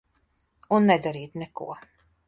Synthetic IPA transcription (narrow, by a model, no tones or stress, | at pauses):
onːɛd̪ɛɾiːt̪nɛko̰ɐ